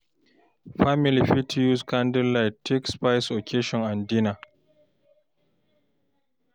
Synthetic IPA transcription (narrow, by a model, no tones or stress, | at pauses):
ɸamɪliɸitʰjuskandɪllːajtʰːɛkspajsʔokʰeʃɔŋʔandiːna